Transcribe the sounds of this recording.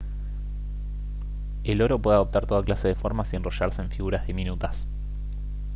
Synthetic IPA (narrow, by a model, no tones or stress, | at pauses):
elo̞ɾo̞p̬we̞ðaðo̞p̚t̪aɾt̪o̞ðaklase̞ðefo̞ɾmasie̞nro̞ʃaɾse̞ːɱfiɣuɾazðiminut̪as